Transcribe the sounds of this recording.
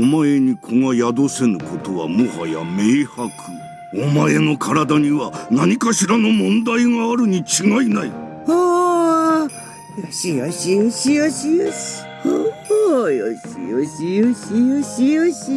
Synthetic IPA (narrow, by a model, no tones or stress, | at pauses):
omae̞ɲ̟ikʰo̞ŋajad̪o̞senɯ̟ko̞t̪o̞βa̰mohaja̰me̞ːhakʰɯ | omae̞no̞kʰaɾad̪aɲ̟iβanaɲ̟ikaɕiɾano̞mõ̞nd̪aiŋaːɾɯ̟ɲ̟it͡ɕiŋainai | a | joɕijoɕioɕijoɕijoɕi̥ | o | joɕḭoɕijoɕioɕijoɕi